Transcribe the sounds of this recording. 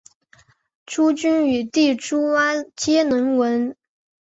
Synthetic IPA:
ʈ͡ʂʰu˥t͡ɕy˥ny˨˩t̪i˥˩ʈ͡ʂu˥wa˥t͡ɕjɛ˥nə˧˥nwə˧˥n

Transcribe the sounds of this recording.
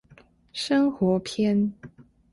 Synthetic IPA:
ʂɤ˥ŋxwɔ˧˥pʰjɛ˥n

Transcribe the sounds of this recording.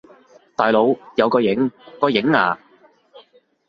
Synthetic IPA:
t̪aː˨˩jlo˨˧wjɐ˨˧wkɔː˧jɪ˨˥ŋkɔː˧jɪ˨˥ŋa̰ː˨˧

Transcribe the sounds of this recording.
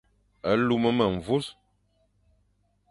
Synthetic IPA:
ə˨˦lu˦mə˦mə˨ɱ˨vu˦s

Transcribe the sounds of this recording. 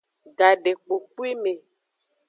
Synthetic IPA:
ɡa˨ɖe˨k͡po˨k͡pu˦i˦me˨

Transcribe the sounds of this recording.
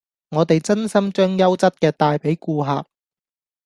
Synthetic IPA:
ŋɔː˨˧t̪e˨jt͡sɐ˥nsɐ˥mt͡ʃœː˥ŋjɐ˥wt͡sɐ˥t̚kɛː˧t̪aː˨jpe˨˥jkuː˧ɦa̰ː˨p̚

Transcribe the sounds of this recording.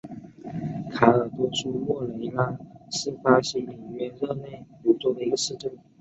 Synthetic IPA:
kʰa˧˥ə˞˨˩t̪wɔ˥ʂu˥mwɔ˥˩le˧˥ɪla˥s̩˥˩fa˥ɕi˧˥li˨˩ɥɛ˥nɻɤ˥˧ne˥˩ɪt̪u˨˧˥t͡swɔ˥˩d̪ə˩i˧˥ɡə˧ʂɻ̩˥˧ʈ͡ʂə˥˩ŋ

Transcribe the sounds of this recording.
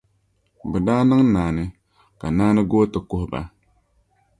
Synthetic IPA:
bɛ˨daː˦nɨ˦ŋ˦naː˨nɨ˦ | ka˨naː˦nɨ˦ɡo˦tɨ˨kʊ˦hba̰˨

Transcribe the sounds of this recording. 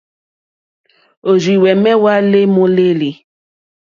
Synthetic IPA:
o˨zi˨wɛ˨mɛ˦wa˦le˦mo˦le˦li˨

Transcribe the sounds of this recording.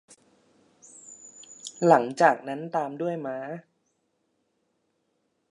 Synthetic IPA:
la˩˦ŋt͡ɕaː˨˩k̚na˦˥nt̪aː˧mdu˥˩əjmaː˦˥

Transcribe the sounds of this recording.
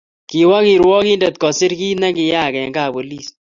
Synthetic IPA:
ki˨wa˦ki˨ɾwɔ˦ki˦ndɛ˨t̪̚kɔ˨sɪ˦ɾki˦nɛ˦kɪ˨ja˦˨kɛ˨ŋɡa˦˨bo˨li˦˨s

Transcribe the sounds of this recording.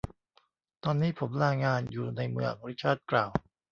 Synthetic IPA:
t̪ɔː˧nːiː˦˥pʰo˩˦mɾaː˧ŋaː˧njuː˨˩na˧jmɯ̰˧ʔa̰˨˩buː˧ɾi˦˥t͡ɕʰaː˥˩t̪̚klaː˨˩w

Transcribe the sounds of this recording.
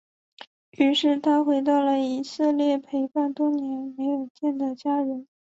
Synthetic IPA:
y˧˥ʂɻ̩˥˩t̪ʰa˥xwe˧˥ɪt̪ɑ˥˩ʊlə˩i˨˩sɤ˥˧ljɛ˥˩pʰe˧˥ɪpa˥˩nt̪wɔ˥njɛ˧˥nme˧˥ɪjo˨˩ʊt͡ɕjɛ˥˩nd̪ə˩t͡ɕja˥ɻə˧˥n

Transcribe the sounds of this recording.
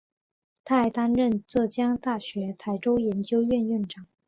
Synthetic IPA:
t̪ʰa˥˩ɪt̪a˥nɻə˥˧nt͡sɤ˥˩t͡ɕjɑ˥ŋt̪a˥˩ɕɥɛ˧˥t̪ʰa˧˥ɪʈ͡ʂo˥ʊjɛ˧˥nt͡ɕjo˥ʊɥɛ˥˧nɥy˥˩nʈ͡ʂɑ˨˩˦ŋ

